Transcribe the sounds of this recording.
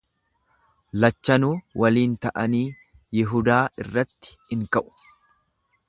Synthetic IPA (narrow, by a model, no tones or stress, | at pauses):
lɐt͡ʃːɐnuːwʔɐliːnt̪ɐʔɐniː | jɪɦʊd̪aːɪrːɐt̪ːɪ̥hɪŋkɐʔʊ̥